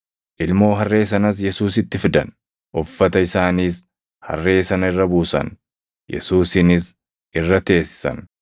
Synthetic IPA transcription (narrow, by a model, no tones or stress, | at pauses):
ʔɪlmo̞ːɦɐrːe̞ːs̬ɐnɐs̬jɛsuːsɪt̪ːɪfɪd̪ɐ̰n | ʔɔfːɐt̪ɐɪsaːniːs | hɐ̰rːe̞ːsɐnɐɪrːɐbuːsɐ̰n | jɛ̰suːsɪnɪs | ʔɪrːɐt̪e̞ːsːɪ̥sɐ̰n